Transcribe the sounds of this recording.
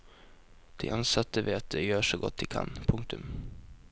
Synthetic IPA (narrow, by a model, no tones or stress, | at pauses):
d̪̥ɪ̰ʔɑnsɑt̪ːəʋeːat̪̚d̪ɛjøːʂoːɡɔt̪̚d̪iːkʰɑ̰npʰʊŋk̚t̪ɵm